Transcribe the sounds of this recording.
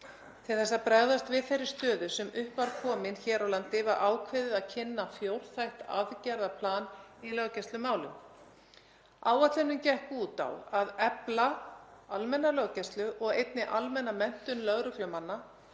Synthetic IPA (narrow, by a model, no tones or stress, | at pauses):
t̪ʰɪlθɛsːaðpɾɛɣðast̪vɪðθejɾːɪ̥ɾst̪œːðʏsɛmʏhpvaɾ̥kʰɔːmɪnçɛːɾawlant̪ɪvaɾʔaːwkʰvɪðɪðaðcʰɪnːafjowɾ̥θajht̪a̰ðcɛɾðapʰlaːnilœɣcɛst̪lʏmaːwlʏm | aːwat̪lɪnːʏmcɛhkuːt̪a̰waðɛplaalmɛnːalœɣcɛst̪lʏʔɔɣejt̪nɪʔalmɛnːamɛn̥t̪ʏnlœɣɾʏklʏmanːa